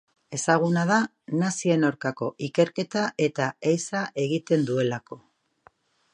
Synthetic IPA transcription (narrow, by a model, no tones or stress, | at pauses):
e̞saɣ̞unað̞a | nasie̞nawɾkako̞ʔike̞ɾke̞t̪aʔe̞t̪aejsaʔe̞ɣit̪e̞nd̪ue̞lako̞